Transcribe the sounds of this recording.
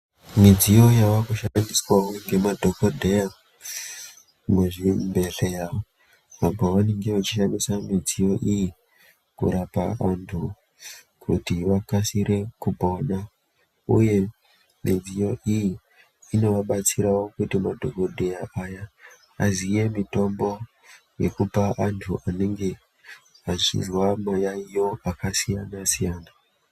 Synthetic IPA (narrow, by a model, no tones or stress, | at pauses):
mid͡zijo̞jaʋakuʃandiswawoŋɡe̞madʱokodʱeja | mweʐimbe̞ɬejao | ʋabʱoʋane̞ŋɡe̞ʋat͡ʃiʃandisamid͡zijo̞ʔiji | kṵɾapa̰andu | kʰutiʋakasiɾe̞kubʱo̞na | ṵje̞ | mid͡zijo̞ʔijiː | no̞ʋaɓat͡siɾawo̞kutimadʱo̞ko̞dʱe̞jaʔaja | azije̞mito̞mbo̞ | je̞̰kupaʔantʰuʔane̞ŋɡe̞ | azḭrwamajaijo̞akasijanasijaːna